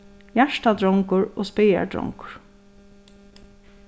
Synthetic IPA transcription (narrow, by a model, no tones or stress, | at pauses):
jæʂʈad̪ɹɔŋkʊɹoːspeːja̰dɹɔ̰ŋkʊ̥ɹ̥